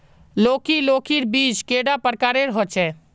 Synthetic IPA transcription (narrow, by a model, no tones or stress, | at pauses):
loːkiloːkiɾbiːd͡ʒkeːɖapəɾkaːɾeɾɦɔt͡ʃʰɛː